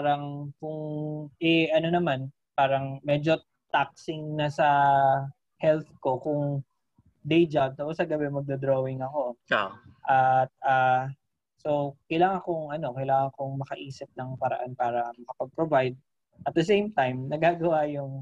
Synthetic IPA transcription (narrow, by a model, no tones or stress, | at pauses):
aɾɐŋkʊŋʔɛʔɐno̞nɐman | paːɾɐŋmɛːd͡ʒo̞ | t̪ak̚sɪŋnɐsɐ | hɛlθko̞kʊŋ | d̪ɛjd͡ʒab̚t̪oposɐɡɐbɛmɐɡ̚d̪ɐd̪ɾoːwɪŋɐko̞ | ʔɐt̪̚a | so̞wkɐjlaːŋɐkoŋʔɐno̞kɐjlaːŋɐŋkoŋmɐkɐʔiːsɪp̚nɐŋpɐɾɐ̰ʔanpaːɾɐmɐkɐpɐɡ̚pɾovajd̪̚ | ʔɐt̪̚d̪ɛsejmt̪ajmnɐɡaːɡɐwajʊŋ